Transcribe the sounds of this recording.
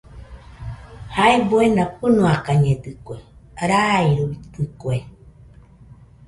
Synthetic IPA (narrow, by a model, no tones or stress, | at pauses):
haebuenapɨnũakaɲẽd̪ɨkweɾaiɾut̪ɨkwe